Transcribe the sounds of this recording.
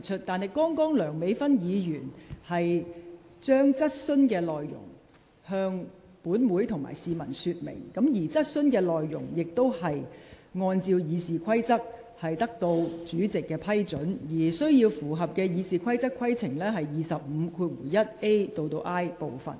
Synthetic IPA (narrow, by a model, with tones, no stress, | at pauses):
t͡ʃʰɵ˥t̚t̪aː˨nhɐ˨˩jkɔː˥ŋkɔː˥ŋlœː˨˩ŋme˨˥jfɐ˥njiː˨˧jyː˨˩nhɐ˨j | t͡ʃœː˥ŋt͡sɐ˥t̚sɵ˥nkɛː˧lɔː˨jːʊ̰˨˩ŋ | hœː˧ŋ | puː˨˥nmuː˨˥jt̪ʰʊ˨˩ŋma̰ː˨˩jsiː˨mɐ̰˨˩nsyː˧t̚mḛ˨˩ŋkɐ˨˥mjiː˨˩t͡sɐ˥t̚sɵ˥nkɛː˧lɔː˨jːʊ̰˨˩ŋjɪ˨k̚t̪o˥whɐ˨jŋɔː˧nt͡siː˧wjiː˨˧siː˨kʰɐ˥jt͡sɐ˥k̚ | hɐ˨jt̪ɐ˥k̚t̪o˧wt͡syː˨˥t͡sɪ˨kːɛː˧pʰɐ˥jt͡sɵ˨˥njiː˨˩sɵ˥ɥjiː˧wfuː˨˩ɦɐ˨p̚kɛː˧jiː˨˧siː˨˧kʷʰɐ˥jt͡sɐ˥kʰɐ˥jt͡sʰɪ˨˩ŋlɛː˥ɦɐ˨jːiː˨sɐ˨p̚m̩ː˨˧kʰuː˧t̚wṵː˨˩jjɐ˥t̚e˥jt̪o˧wt̪o˧wʔaː˥jpo˨wfɐ̰˨˩n